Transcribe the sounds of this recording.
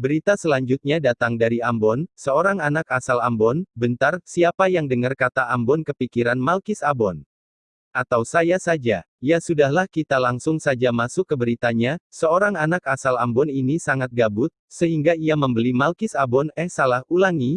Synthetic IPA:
bəɾit̪asəlaɲd͡ʒʊt̪̚ɲadat̪aŋdaɾiambɔnsəoɾaŋanakasalambɔnbənt̪arsiapajaŋdəŋərkat̪aʔambɔnkəpikiɾanmalkɪsabɔn | ʔat̪awsajasad͡ʒa | jasudahlahkit̪alaŋsʊŋsad͡ʒamasʊkːəbəɾit̪aɲasəoɾaŋanakasalambɔninisaŋat̪̚ɡabʊt̪̚səɦiŋɡaijaməmbəlimalkɪsabɔnɛhsalahulaŋi

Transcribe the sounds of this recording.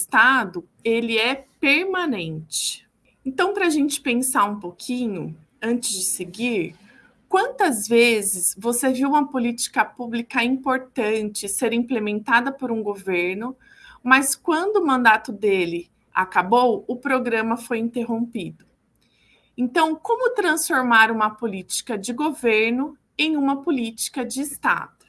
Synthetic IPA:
st̪ad̪ʊ | elɪɛpeɾmãnẽnt͡ʃɪ̥ | ẽnt̪ɐ̃w̃pɾɐaʒẽnt͡ʃɪ̥pẽsaɾũpokʰĩɲʊ | ɐ̃nt͡ʃɪzd͡ʒɪseɡiɾ | kwɐ̃nt̪ɐzvezɪsvoseviwũmɐpolit͡ʃi̥kɐpublikɐĩpoɾt̪ɐ̃nt͡ʃɪseɾĩplemẽnt̪ad̪ɐpoɾũɡoveɾnʊ | mɐskwɐ̃nd̪ʊːmɐ̃nd̪at̪ʊd̪elɪ | a̰kabowʊpɾoɡɾɐ̃mɐfojĩnt̪eɦõpid̪ʊ | ẽnt̪ɐ̃w̃kõmʊt̪ɾɐ̃sfoɾmaɾũmɐpolit͡ʃi̥kɐd͡ʒɪɡoveɾnʊ | ẽj̃ũmɐpolit͡ʃi̥kɐd͡ʒɪːst̪a̰d̪̥ʊ

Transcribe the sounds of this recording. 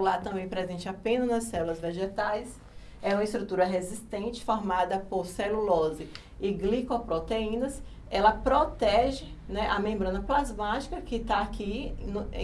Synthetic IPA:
ulaɾt̪ɐ̃mbẽj̃pɾezẽnt͡ʃɪapẽnɐnɐsːɛlulɐzveʒet̪ajs | ɛũmɐist̪ɾut̪uɾɐɦezist̪ẽt͡ʃɪ̥fɔɾmad̪ɐpoɾselulɔzɪ | ɪɡlikopɾot̪eĩnɐs | ɛlɐpɾot̪ɛʒɪ | nɛʔɐmẽmbɾɐ̃nɐplazmat͡ʃi̥kɐkɪt̪aːkiñ̰

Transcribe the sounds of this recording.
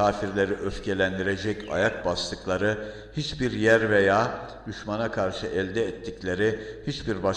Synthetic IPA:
aːfiɾlʲe̞ɾiʔøfcʰe̞lʲænd̪iɾe̞d͡ʒɛca̰jak̚bast̪ɯklˠaɾɯ | hit͡ʃbiɾjæɾvejaː | d̪yʃmanakʰaɾʃɯʔɛlʲd̪ɛːt̪ʰːiclʲe̞ɾihit͡ʃbiɾba

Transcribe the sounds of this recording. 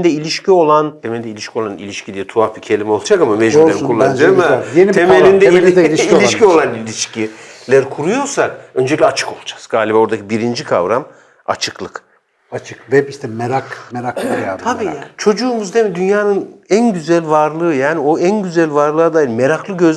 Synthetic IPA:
d̪ɛilʲiʃcʰio̞lˠant̪ʰemelʲd̪ɛilʲiʃcʰio̞lˠanḭlʲiʃcʰid̪ijɛt̪ʰuaficʰe̞lʲimio̞lˠud͡ʒakamameʒilʲeɾikʰulˠːand͡ʒamajenitʰemelʲind̪ɛilʲiʃio̞lˠanilʲiʃcilʲæɾkʰuɾujo̞ɾsakø̞nd͡ʒelʲiklʲɛat͡ʃʰɯ̥ko̞lˠud͡ʒḁz̥ɡaːlʲibao̞ɾd̪acʰibiɾind͡ʒikʰa̰vɾam | a̰t͡ʃʰɯ̥klˠɯk | at͡ʃʰɯkvɛbiʃt̪ʰɛmeɾakmeɾak̪jat̪ʰabiat͡ʃʰo̞d͡ʒuːmuzd̪emid̪ynjaːnɯnænɟyzælʲvaɾlˠɯːjaːnio̞ænɟyzælʲvaɾlˠɯːad̪aːjilmeɾaklˠɯɟø̞z

